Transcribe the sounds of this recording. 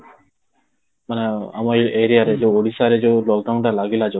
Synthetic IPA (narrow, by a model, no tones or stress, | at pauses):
manea̰mɔeɾijaɾed͡ʒewoɽisaɾed͡ʒewlɔk̚ɖawnʈalaɡilad͡ʒe